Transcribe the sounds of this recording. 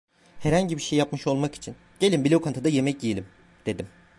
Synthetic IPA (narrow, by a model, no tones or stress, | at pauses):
hɛɾhaɲɟibiɾʃejːapmɯʃo̞lˠmaki̥t͡ʃʰin | ɟ̥e̞lʲimbilʲewkʰant̪ad̪ajemɛcjijelʲim | d̪̥e̞d̪im